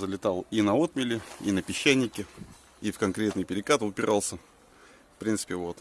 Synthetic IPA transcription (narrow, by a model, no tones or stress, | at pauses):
zəlʲɪt̪alˠinɐot̪mʲɪlʲɪinəpʲɪɕːænʲːɪkʲɪ | ifkɐnkɾʲe̞t̪nɨjpʲɪɾʲɪkat̪ʊpʲɪɾʔalˠsʲə | fpɾʲint̪spʲɪvot̪